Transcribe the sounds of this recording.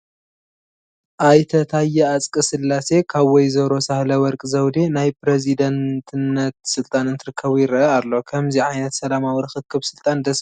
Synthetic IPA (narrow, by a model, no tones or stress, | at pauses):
ʔajt̪ʰɐt̪ʰajːɛat͡sʼkʼɨsɨlːase̞kʰaβwɔjzɐɾo̞sahlɐwɔɾkʼɨzɐwd̪enajpɾezid̪ɐnt̪ʰɨnːɐt̪̚sɨlt̪ʼanɨnt̪ʰɨɾɨkʰːɐβujɪɾɐʔɐalːo̞kʰɐmziʕajnɐt̪sɐlamawiɾɨxɨt̪̚kʰːɨβsɨlt̪ʼand̪ɐs